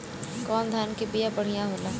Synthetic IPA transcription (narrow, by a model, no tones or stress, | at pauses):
kɔːnd̪ʱaːnkibijabəɽ̤ijãɦoːla